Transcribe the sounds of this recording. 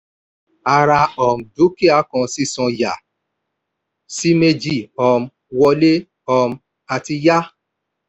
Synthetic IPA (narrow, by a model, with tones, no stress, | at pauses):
a˧ɾa˧ɔ˨m̩˨d͡ʒu˨˦ke˦˨a˨˦kɔ̃˨˧si˦˨sɔ̃˧ja̰˨ | si˦me˦d͡ʒi˦˨ɔ˧m̩˦ | wɔ˧le˦ | ɔ˧m̩˦ | a˧ti˧ja˦